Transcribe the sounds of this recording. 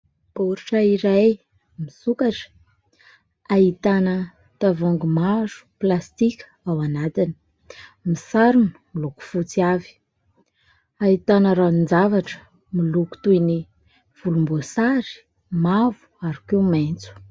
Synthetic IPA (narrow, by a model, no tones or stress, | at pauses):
b̥oɾiʈ͡ʂəiɾaj | misukaʈ͡ʂə̥ | aɦit̪anə | t̪avoŋɡumazu̥plast̪ikʲə̥ | awanat̪ini̥ | misaɾunu̥miluku̥fut͡siavi̥ | ait̪anəɾanind͡zavaʈ͡ʂə̥ | miluku̥t̪uini | v̥ulumbosaɾi̥ | mavu̥aɾukewment͡su̥